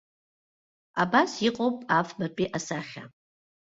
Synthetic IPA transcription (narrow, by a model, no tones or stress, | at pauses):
abasiqʼowpʼafbapʼiʔasaχʲa̰